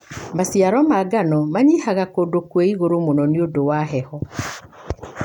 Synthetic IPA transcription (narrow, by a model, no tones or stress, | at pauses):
masiaɾɔmaɡanɔmaɲihaɣakodokweiɣoɾomonɔneodowaɦɛhɔ